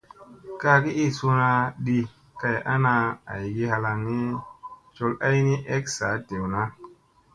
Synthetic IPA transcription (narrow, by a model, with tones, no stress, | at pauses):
ka˧ki˦i˦˨su˧na˧ɗi˧ | ka˧ja̰˦na˧a̰˨ji˨ɡi˦ha˧la˧ŋni˦t͡ʃo˧la˦jni˦ʔe˦ksa˨˦te˨wna˦